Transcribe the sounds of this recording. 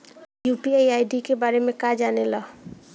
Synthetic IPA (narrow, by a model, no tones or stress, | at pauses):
jupiajajɖikebaːɾemẽkad͡ʒanela